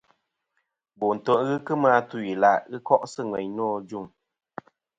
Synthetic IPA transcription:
bo˨n̩˨to˨ʔɣɨ˦kɨ˦ma˧˦tu˦˨i˨la˨ʔɣɨ˦kɔ˦ʔsɨ˦˨ŋwɛ˨ɲnɔː˦˨d͡ʒu˦˨ŋ

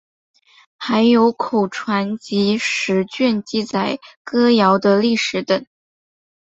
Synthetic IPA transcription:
xa˧˥ɪjo˧˥ʊkʰo˨˩ʊʈ͡ʂʰwa˧˥nt͡ɕi˧˥ʂɻ̩˧˥t͡ɕɥɛ˥˧nt͡ɕi˥˩t͡sa˨˩ɪkɤ˥jɑ˧˥ʊd̪ə˧li˥˩ʂɻ̩˧˥t̪ə˨˩ŋ

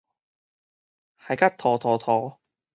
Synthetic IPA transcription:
hɐ˨˩jkɐ˥t̚t̪ʰɔː˨˩t̪ʰɔː˨˩t̪ʰɔː˨˩

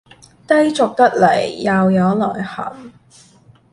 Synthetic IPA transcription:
t̪ɐ˥jt͡sʊ˨k̚t̪ɐ˥k̚le˨˩jːɐ˨wjɐ˨˧wlɔː˨˩jhɐ̰˨˩ŋ

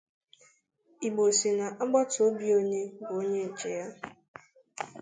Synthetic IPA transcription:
i˨ɡ͡bo˨si˨na˨ʔa˦ɡ͡ba˦to˦bi˦o˦ɲe˦bʊ˨o˦ɲe˦n̩˨t͡ʃe˨ja˦

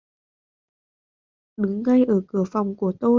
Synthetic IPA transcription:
ɗɨ˨˦ŋːa˧jʔəː˧˩kɨ˧˩əfa˨˩wŋ͡mku˧˩ət̪o˧

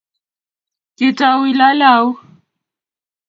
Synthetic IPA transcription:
kʼɪ˨tʼa˨wi˨la˦laː˦ʊ˦

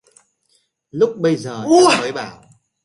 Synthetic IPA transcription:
lʊ˦˥k͡p̚ɓə˧jzəː˨˩˧məː˨˦jɓaː˧˩w

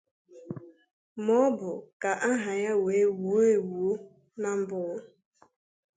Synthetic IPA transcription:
mɔ˦bʊ˨ka˨ʔa˦ɦa˨ja˦we˨˦wu˨˦e˦wu˨˦ | na˦m̩˦bʊ˦ɣʊ˦

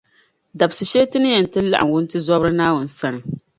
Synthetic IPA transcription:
da˨bsɨ˨ʃeː˦tɨ˦nɨ˦jɛ˨n˨tɨ˦la̰˦ʔa̰˨ŋ˨wʊ˦n˦tɨ˦zɔ˦bɾɨ˦naː˦wʊ˨n˨sa˦nɨ˨

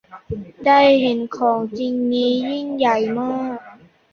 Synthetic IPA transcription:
da˥˩jhe˨˩˦nkʰɔː˩˦ŋt͡ɕi˧ŋniː˦˥jiː˥˩ŋja˨˩jmɔː˥˩k̚

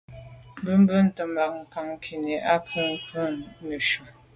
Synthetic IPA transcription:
m˦bə˦m̩˦bə˦n̩˦tə˨ma˨k̚ŋ̩˨ka˨ŋ˦kʰi˨ne˨ʔa˦kʰə˦ŋ̩˦kʰə˦nə˨ʃu˨m

